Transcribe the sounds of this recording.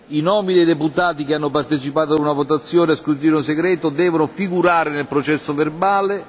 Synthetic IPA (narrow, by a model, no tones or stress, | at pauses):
inɔːmid̪ejd̪eput̪aːt̪ikeanːopart̪et͡ʃipaːt̪oad̪unavot̪at̪sːjɔːneaskut̪iːɾunseɡɾɛːt̪od̪ɛːvonofiɡuɾaːɾenelpɾot͡ʃɛsːoverbaːle